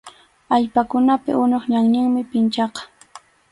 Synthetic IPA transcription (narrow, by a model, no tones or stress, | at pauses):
aʎpakʊnapɪ̰ʔʊɲoχɲaŋnɪŋmɪpɪnt͡ʃɑqɑ̥